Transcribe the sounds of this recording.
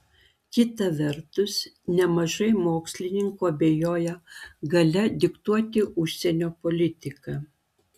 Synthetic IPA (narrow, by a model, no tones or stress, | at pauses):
kʲɪt̪ɐʋʲɛɾt̪ʊs | nʲɛmɐʒɐɪmoːksʲlʲɪnʲɪŋkoːɐbʲeːjoːjɛɡɐlʲɛd̪ʲɪkt̪uɔt̪ʲɪʔʊʃʲsʲɛnʲoːpɔlʲɪt̪ʲɪkɐː